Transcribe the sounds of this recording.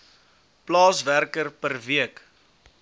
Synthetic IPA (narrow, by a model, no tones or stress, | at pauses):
plɑːsværkərpərviək